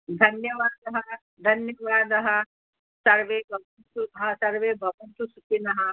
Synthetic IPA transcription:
d̪ʱɐnjɐʋaːd̪ɐɦɐ | d̪ʱɐnjɐʋaːd̪ɐɦɐ̆ | sɐɾʋeːbɐɡunt̪uɦɐsɐɾʋeːbʱɐbɐnt̪usukinɐɦɐ

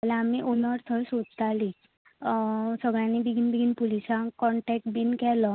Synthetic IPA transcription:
alaːmiʔonəɾt̪ʰəɾsod͡zt̪aliː | səɡɭjanibiɡʱinbiɡʱinpulisãkɔɳʈɛk̚ʈ̚binkɛlɔ

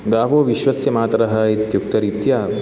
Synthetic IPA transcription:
ɡaːʋoːʋiʃʋɐsjɐmaːt̪ɐɾɐɦɐit̪juk̚t̪ɐɾit̪jaː

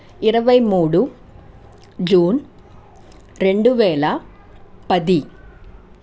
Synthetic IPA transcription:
iɾɐʋɐjmuːɽu | d͡ʒuːn | ɾeɳɖuʋɛːlɐ | pɐd̪i

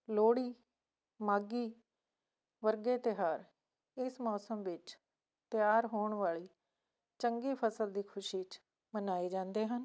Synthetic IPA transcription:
loːɽiː | maːɡiː | ʋəɾɡeːt̪ɪɦaːɾ | ɪsmɔːsəmʋɪt͡ʃ | t̪ɪjaːɾɦoːɳʋaːɭiː | t͡ʃəŋɡiːpʰəsəld̪iːkʰʊʃiːt͡ʃ | mənaːiːd͡ʒãːnd̪eːɦən

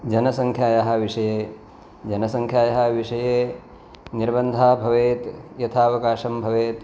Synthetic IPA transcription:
d͡ʒɐnɐsɐŋkʰjaːjɐɦɐ̆ʋiʂɐjeː | d͡ʒɐnɐsɐŋkʰjaːjɐɦɐ̆ʋiʂɐjeː | niɾbɐnd̪ʱaːbʱɐʋeːt̪jɐt̪ʰaːɐʋɐkaːʂɐmbʱɐʋeːt̪

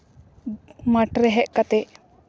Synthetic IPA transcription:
maʈɾɛɦɛʔkat̪ɛʔ

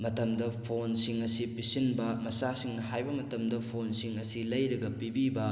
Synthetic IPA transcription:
mɐtɐmdɐpʰonsiŋɐsipisinbɐmɐsasiŋnɐɦajbɐmɐtɐmdɐpʰonsiŋɐsilɐjɾɐɡɐpibibɐ

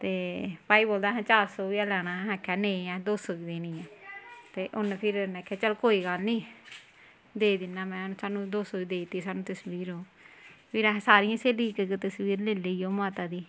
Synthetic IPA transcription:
t̪eːpaːiːboːld̪aːɦɛ̃ːt͡ʃaːɾsoːʋiːaːlɛːɽ̃aːɦɛ̃ːkʰːɛːnẽːɛ̃ːd̪oːsoːiːd̪eːnĩːɛ̃ːt̪eːʔʊnpʰɪɾnɛːkʰːɛːt͡ʃəlkoːiːɡalnĩː | d̪eːid̪ɪnːaːmɛ̃ːnsaːnũːd̪oːsoːiːd̪eːit̪iːsaːnũːt̪əswiːɾɦoː | pʰɪɾɛɦɛ̃ːsaːɾɪjãːseːliːkkt̪əswiːɾleːleiːoːmaːt̪aːd̪iː

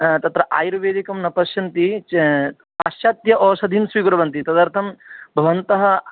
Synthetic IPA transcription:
t̪ɐt̪ɾɐʔa̰ːjɾuʋeːd̪ikɐmnɐpɐʃjɐnt̪i | ɐʃjaːt̪jɐʔɔːʃɐd̪ʱinsʋiːɡuɾɐbɐnt̪it̪ɐd̪ɐɾt̪ʰɐmbʱɐʋɐnt̪ɐɦɐ

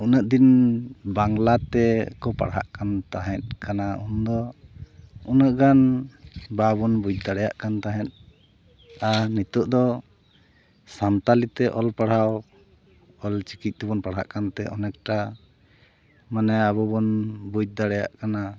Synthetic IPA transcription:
unəʔ̚d̪inbaŋlat̪ɛkɔpa̰ɽɦa̰ʔkant̪aɦɛ̃t̪̚kanaund̪ɔ | unəʔɡan | baβɔnbud͡ʒ̚d̪aɽɛja̰ʔkant̪aɦɛ̃t̪̚ | anit̪ɔʔd̪ɔ | samt̪alit̪ɛʔɔlpaɽhaw | ɔlt͡ʃi̥kic̪̚ˀt̪ɛbɔnpaɽɦa̰ʔkant̪ɛʔɔ̰nɛk̚ʈa | manɛaβɔbɔnbuc̚d̪aɽɛja̰ʔkana

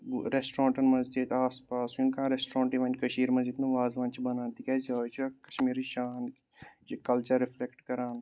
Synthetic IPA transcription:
ɾeːsʈɾãːɳʈɐnmɐzd͡ʒid̪aːspaːsunkãɾesʈɾãːɳʈiʋaːnʲkɐʃiːɾmɐzd͡ʒɪt̪nãʋaːzʋãːnt͡ʃʰibɐnaːnt̪ikɛzaːt͡ʃʰkɐ̥ʃmiːɾiʃaːn | t͡ʃikɐlt͡ʃɐɾːɪfʰlekʈkɐɾaːn

